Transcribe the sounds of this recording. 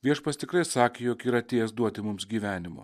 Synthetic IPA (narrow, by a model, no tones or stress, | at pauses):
ʋʲiɛʃpɐst̪ʲɪkɾɐɪsɑːkʲeːjoːkiːɾɐt̪ʲeːjɛsd̪uɔt̪ʲɪmʊmsɡʲiːʋʲæːnʲɪmʊ̰